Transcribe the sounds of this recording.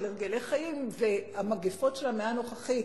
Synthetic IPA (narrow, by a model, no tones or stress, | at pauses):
leʁɡelejχajimveamaɡifo̞tʃe̞lameano̞χaχi